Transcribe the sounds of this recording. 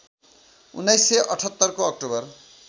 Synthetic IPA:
ṵnːajseʔʌʈʰɔt̪ːɔɾkoɔk̚ʈobʌɾ

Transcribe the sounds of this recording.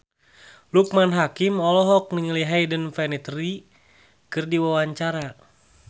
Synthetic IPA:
luk̚manɦakimɔlɔɦɔk̚niŋəliɦajdənfɛnit̪ri | kɨrdiwawaɲt͡ʃaɾa

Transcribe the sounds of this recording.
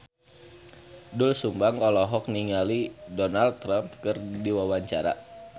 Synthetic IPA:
dʊlsumbaŋɔlɔɦɔk̚niŋalidɔnalt̪ːɾamp̚kɨrdiwawaɲt͡ʃaɾa̰

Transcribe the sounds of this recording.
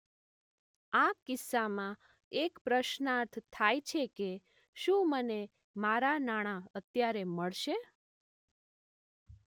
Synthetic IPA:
akɪsːamã | ekpɾəʃnaɾt̪ʰt̪ʰːajt͡ʃʰeke | ʃũməne | maɾanaɽ̃ãət̪jaɾeməɭʃe

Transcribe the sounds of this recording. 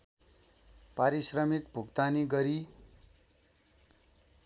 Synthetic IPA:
paɾisrʌmik̚bʱukt̪aniɡʌɾi

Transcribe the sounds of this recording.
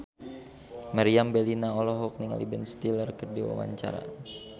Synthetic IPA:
maɾiambɛlinaɔlɔɦɔk̚niŋa̰libənst̪ilərkərdiwa̰wa̰ɲt͡ʃa̰ɾa̰

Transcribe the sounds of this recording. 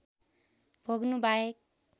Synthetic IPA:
bʱʌɡnubaek̚

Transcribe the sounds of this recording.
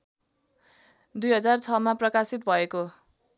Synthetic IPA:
d̪ujɦʌd͡zart͡sʰʌmaprʌkasit̪̚bʱʌeko

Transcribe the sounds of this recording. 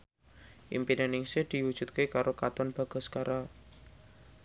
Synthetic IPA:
ʔḭmpinanɪŋsehd̪̥i̤wud̥ʒ̥ṳt̪̚kekaɾokat̪ɔnb̥a̤ɡ̥ɔ̤skaɾa

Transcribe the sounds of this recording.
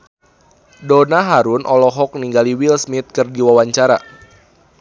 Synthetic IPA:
donaɦaɾunʔɔlɔɦɔk̚niŋɡaliwilsmit̪̚kɨrdiwawaɲt͡ʃaɾa

